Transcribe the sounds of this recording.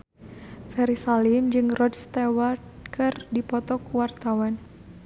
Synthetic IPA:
fɛɾisalimd͡ʒɨŋrɔdst̪ɛwart̪̚kʰɨrdipɔt̪ɔkuwart̪awan

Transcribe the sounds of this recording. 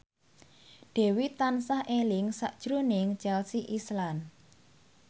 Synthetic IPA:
ɖ̥ɛ̤wit̪ansahʔelɪŋsaʔd̥ʒ̥ɾonɪŋt͡ʃɛlsiʔislan

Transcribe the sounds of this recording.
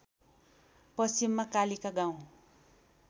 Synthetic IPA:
pʌsimːakalikaɡãw̃

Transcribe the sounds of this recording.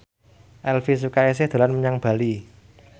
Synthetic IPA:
ʔɛlfis̬ukaes̬ɪhd̪̥a̤lanməɲaŋb̥a̤li

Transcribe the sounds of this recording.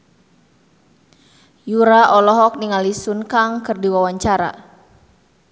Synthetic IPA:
juɾaʔɔlɔɦɔk̚niŋalisunkaŋkɨrdiwawaɲt͡ʃaɾa̰

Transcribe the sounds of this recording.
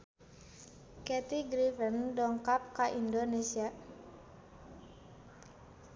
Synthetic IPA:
kɛt̪iɡɾifəndɔŋkap̚kaʔindonesia

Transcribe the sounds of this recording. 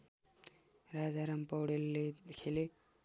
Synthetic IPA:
ɾad͡zaɾampʌwɽelːekʰele

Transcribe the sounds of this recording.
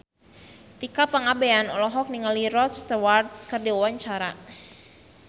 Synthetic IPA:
t̪ikapaŋabeanɔlɔɦɔk̚niŋaliɾɔt̪st̪wart̪̚kərdiwawaɲt͡ʃaɾa

